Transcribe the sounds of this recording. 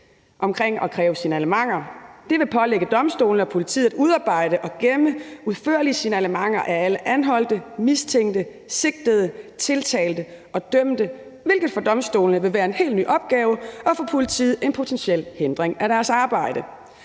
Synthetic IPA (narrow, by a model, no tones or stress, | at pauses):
ʔɒ̽mkʰʁeŋ̰ɒ̽kʰʁɛːʊəsinəæləmɑ̈ŋ̰ɐd̥e̝ʋe̝pʰɒ̽leɡ̥əd̥ɒ̽msd̥o̝ːln̩əɒ̽pʰo̝lit͡sʰḭðˠuð̞ˠɑ̈ːb̥ɑ̈ɪ̰ɾ̥əʔɒ̽ɡ̥eməuðˠfø̰ɐ̰liəsinəæləmɑ̈ŋ̰ɐʔææləʔænɦɒ̽l̰d̥əmist͡sʰeŋ̰d̥ə | se̝ɡ̥̚d̥əð̞ˠət͡sʰe̝lt͡sʰɛ̰ːld̥ə | ʔɒ̽d̥œm̰d̥ə | ʋe̝lɡ̥ð̞̩ˠfɒ̽d̥ɒ̽msd̥o̝̰ːlnəʋe̝ʋæːɐe̝nhe̝̰ːldny̰ːʔɒ̽b̥̚ɡ̥ɛːʊəɒ̽fɔpʰo̝lit͡sʰḭð̩ˠe̝npʰo̝t͡sʰenɕel̰hend̥ʁeŋæɾæɐsɑ̈ːb̥ɑ̈ɪ̰d̥ə